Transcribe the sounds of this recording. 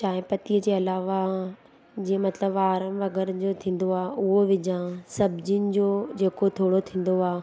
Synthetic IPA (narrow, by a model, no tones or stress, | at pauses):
t͡ɕaːɦɪ̃pɐt̪iəd͡ʑeːɐlaːʋa | d͡ʑĩːə̃mɐt̪ləbaːɾəmʋɐɡɛːɾd͡ʑot̪ʰĩːn̆d̪oaːʔʊɦoʋɪd͡ʑãsɐbd͡ʑinɪ̆d͡ʑoːd͡ʑeːkot̪ʰoːɽot̪ʰĩːn̆d̪oaː